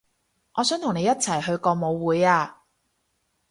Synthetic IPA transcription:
ŋʔɔː˨˧sœː˨˥ŋt̪ʰʊ˨˩ŋne˨˧jɐ˥t̚t͡sʰɐ˨˩jhɵ˧ɥkɔː˧mo˨˧wwuː˨˧jaː˧

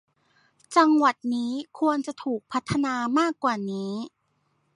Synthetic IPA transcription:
t͡ɕa˧ŋwa˨˩t̪̚niː˦˥kʰu˧ənt͡ɕa˨˩t̪ʰuː˨˩k̚pʰa˦˥t̪ʰːa˧naː˧maː˥˩kːwaː˨˩niː˦˥

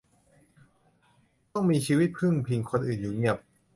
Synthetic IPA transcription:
t̪ɔ˥˩ŋmiː˧t͡ɕʰiː˧wi˦˥t̪̚kʰɯ˥˩ŋpʰi˧ŋkʰo˧nʔɯː˨˩njuː˨˩ŋi˧˥˩əp̚

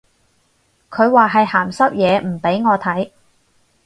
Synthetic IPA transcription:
kʰɵ˨˧ɥwaː˨˩ɦɐ˨jhaː˨˩msɐ˥p̚jɛː˨˧m̩˨˩pe˨˥jŋɔː˨˧t̪ʰɐ˨˥j

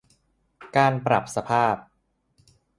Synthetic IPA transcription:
kaː˧npɾa̰˨˩p̚sa˧pʰaː˥˩p̚

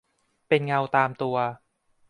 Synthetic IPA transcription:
pe˧nŋa˧wt̪aː˧mt̪u˧ɐ

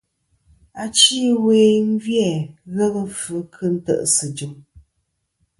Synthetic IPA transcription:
a˨t͡ʃi˦weː˨m̩˦vjɛ˦˨ɣə˦ɣə˦fə˨˦kʰɨ˦n̩˦tə̰˦˨ʔsɨ˨d͡ʒu˨m

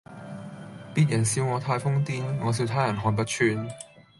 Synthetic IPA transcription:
piː˥t̚jɐ˨˩nsiː˧wŋɔː˨˧t̪ʰaː˧jfʊ˥ŋt̪iː˥nŋɔː˨˧s̬iː˧wt̪ʰaː˥jɐ˨˩nɦɔː˨˩np̬ɐ˥t̚t͡ʃʰyː˧n

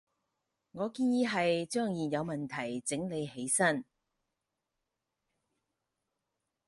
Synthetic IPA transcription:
ŋɔː˨˧kiː˧˥njiː˨˧˥ɦɐ˨jt͡ʃœː˥˩ŋjiː˨˩jɐ˨˧wmɐ˨˩nt̪ʰɐ˨˩jt͡sɪ˨˥ŋle˨˧jhe˨˥jsɐ˥n

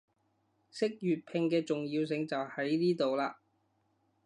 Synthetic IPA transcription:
sɪ˥k̚jyː˨t̚pʰɪ˧ŋkɛː˧t͡sʊ˨ŋjiː˧ws̬ɪ˧ŋt͡sɐ˨whɐ˨˥jniː˥t̪o˨wlaː˧

